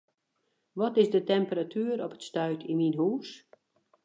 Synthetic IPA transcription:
ʋɔtɪzdətɛmpəratʰyːɾɔpə̥tstœɥkʰiminɦuːs

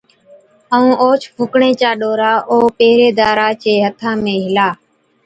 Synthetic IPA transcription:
əũːʔoːt͡ʃʰpʰʊkɳẽːt͡ʃaːɗoːɾaːʔoːpeːɾeːd̪aːɾaːt͡ʃeːɦət̪ʰãːmẽːɦɪlaː

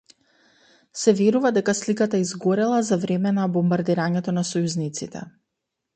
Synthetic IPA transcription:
sɛvɛɾuvad̪ɛkaslikat̪aizɡɔɾɛlˠazavɾɛmɛnabɔmbaɾd̪iɾaɲɛt̪ɔnasɔjuznit̪sit̪ɛ̰

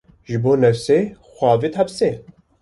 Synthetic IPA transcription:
ʒɨboːnɛfseːxʷɑːvit̪hɑpse

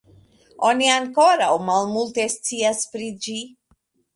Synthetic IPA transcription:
o̞niaŋko̞ɾawmalmulte̞st͡siaspɾid͡ʒi

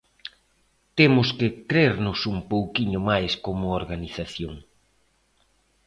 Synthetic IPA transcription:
t̪emʊskɪkɾeɾnʊsumpowkiɲʊmajskomʊoɾɣaniθaθjoŋ

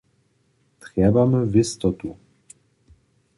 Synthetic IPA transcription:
t̪ɾɛbamɘvist̪ɔt̪u

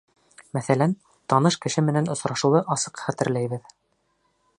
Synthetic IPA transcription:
mæθælæn | t̪ɑnɤʃkɘ̆ʃɘmɘ̆nænŏsɾɑʃŭwɤʔɑsɤqχæt̪ɘ̆ɾlæjβɘð

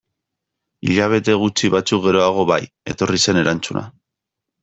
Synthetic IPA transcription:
iʎaβ̞e̞t̪e̞ɣ̞ut͡siβat͡suk̚ɣe̞ɾo̞aɣ̞o̞βaj | e̞̰t̪o̞rise̞ne̞ɾant͡suna̰

